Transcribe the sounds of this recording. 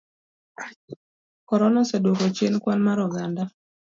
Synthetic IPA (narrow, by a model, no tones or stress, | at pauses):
kɔɾɔnasɛdokot͡ʃenkwanmaɾɔɡanda